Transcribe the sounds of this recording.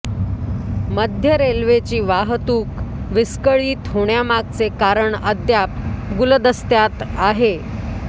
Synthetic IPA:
məd̪ʱjəɾelʋet͡ɕiːʋaɦt̪uːkʋiskəɭiːt̪ɦoɽjamaɡ̚t͡sekaɾəɳəd̪jap̚ɡuld̪əst̪jat̪aɦe

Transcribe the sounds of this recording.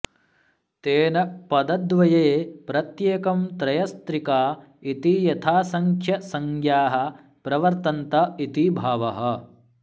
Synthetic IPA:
t̪eːnɐpɐd̪ɐd̪ʋɐjeːpɾɐt̪jeːkɐmt̪ɾɐjɐst̪ɾikaː | it̪ijɐt̪ʰaːsɐŋkʰjɐsɐŋɡjaːɦɐ̆ | pɾɐʋɐɾt̪ɐnt̪ɐit̪ibʱaːʋɐɦɐ̆

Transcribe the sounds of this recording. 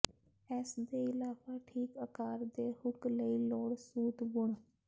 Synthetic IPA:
ɛːsd̪eɪlaːpaʈʰiːkəkaːɾd̪eːhʊkləiloːɽsuːt̪bʊɽ̃

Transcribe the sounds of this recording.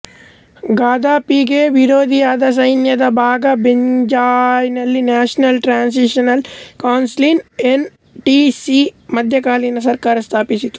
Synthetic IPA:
ɡaːd̪ʱaːpiɡeːʋiɾoːd̪ʱijaːd̪ɐs̬ɐjnjɐd̪ɐbʱaːɡɐbeɲd͡ʒaːjnɐlːinaːʂnɐlʈɾaːns̬iʂɐnɐlkaːnslinen | ʈisimɐd̪ʱjɐkaːlinɐs̬ɐɾkaːɾɐst̪ʰaːpisit̪u̥

